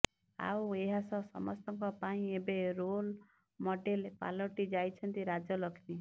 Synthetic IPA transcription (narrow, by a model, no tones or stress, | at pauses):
a̰weɦasɔsɔ̰mɔ̰st̪ɔŋkɔpaĩebeɾol | mɔɖelpa̰lɔʈid͡ʒajt͡ʃʰɔnt̪iɾad͡ʒɔlɔkʰt̪i